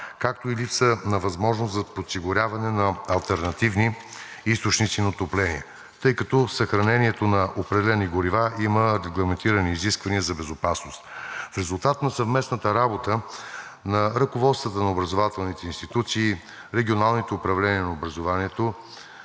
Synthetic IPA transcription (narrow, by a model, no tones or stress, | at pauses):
kakt̪oilipsənɐvɐzmɔʒnoszɐposiɡʊɾʲjavɐnɛnɐɐlˠt̪ɛɾnɐt̪ivniist̪ot͡ʃnit̪sinot̪oplɛnḭɛ | t̪ɤjkɐt̪ɔsɐxɾɐnɛniɛt̪onɐʔopɾɛd̪ɛlɛniɡʊɾivaiməɾɛɡlˠɐmɛnt̪iɾəniːziskvɐniəzɐbɛzʊpasnost̪fɾɛzulˠt̪at̪nɐsɐvmɛsnət̪əɾabot̪ə | nɐɾɐkʊvɔt̪st̪vət̪ənɐobɾɐzovat̪ɛlˠnit̪ɛinst̪it̪ut̪siː | ɾɛɡʲionalˠnit̪ɛʊpɾɐvlɛniənɐobɾɐzovaniɛt̪o